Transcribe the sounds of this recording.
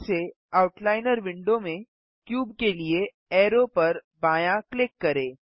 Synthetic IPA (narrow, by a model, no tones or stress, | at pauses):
se | aːʊʈlaːɪnəɾʋɪ̃ɳɖomẽ | kjuːbkelie | ɛːɾopɐɾ | baːjãklɪkːɐɾẽː